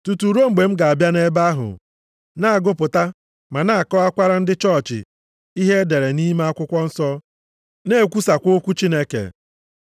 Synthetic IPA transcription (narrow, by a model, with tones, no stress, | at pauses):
tu˨tu˨ɾo˦ŋ͡m̩˨ɡ͡be˨m̩˦ɡa˨a˨bja˦ne˦ba˦ɦʊ̰˨ | na˦a˨ɡʊ˦pʊ˨ta˦ | ma˨na˦a˨kɔ˦a˦kʷa˦ɾa˦n̩˦dɪ˦t͡ʃɔ˦˨t͡ʃɪ̰˨ | i˦ɦe˦de˨ɾe˨ni˦m˦a˦kʷʊ˦kʷɔ˦n̩˦sɔ˦ | ne˦˨kʷu˦sa˨kʷo˦kʷu˦t͡ʃi˦ne˦kḛ˨